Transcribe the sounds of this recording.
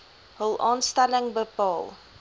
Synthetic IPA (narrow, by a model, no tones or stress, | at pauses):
ɦəlˠʔɑːnstɐləŋbəpɑːlˠ